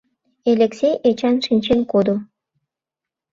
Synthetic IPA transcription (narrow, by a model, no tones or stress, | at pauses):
elʲeksejʔet͡ɕɑnʃinʲt͡ɕenkod̪o